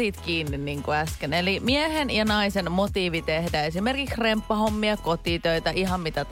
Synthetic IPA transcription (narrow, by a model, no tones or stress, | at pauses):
iːt̪kiːnːinniːŋkoæskenelimiehenjɑnɑisenmot̪iːʋit̪ehdæesimerkiksrempːɑhomːiɑkot̪iːt̪øit̪æʔiɦɑmit̪æt̪